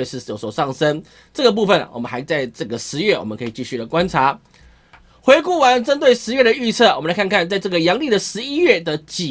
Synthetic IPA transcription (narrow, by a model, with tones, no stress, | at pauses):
ʂɻ̩˥˧˩jo˧˦swɔ˨˩ʂɑ˥˩ŋsə˦n | ʈ͡ʂɤ˥˩ɡə˩p̬u˥˧fə˨˩n̰˩wɔ̰˨˩mə˦nxa˧˥ɪt͡sa˥˧ɪʈ͡ʂɤ˥˩ɡə˩ʂɻ̩˧˦ɥɛ˥˩wɔ̰˨˩mə˦nkʰɤ˧i˨˩t͡ɕi˥˧ɕy˥˩lə˩kwa˦˥nʈ͡ʂʰa˧˥ | xwe˧˥ɪku˥˩wa˧˦nʈ͡ʂə˥nt̪we˥˩ɪʂɻ̩˧˥ɥɛ˥˩d̪ə˨˩y˥˧t͡sʰɤ˥˩wmə˨nla˧ɪkʰa˥˧nŋkʰa˥˧nt͡sa˥˧ɪʈ͡ʂɤ˥˩ɡə˩jɑ˧˥˦ŋli˥˨˩d̪ə˨˩ʂɻ̩˧˦i˦˥ɥɛ˥˩d̪ə˨t͡ɕi˨˩